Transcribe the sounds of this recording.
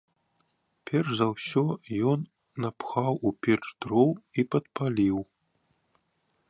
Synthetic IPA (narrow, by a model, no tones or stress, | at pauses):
pʲɛrʂzɐwsʲɔjɔnː | ɐpxawupʲɛt͡ʂd̪ɾɔwipɐt̪̚pʰalʲiw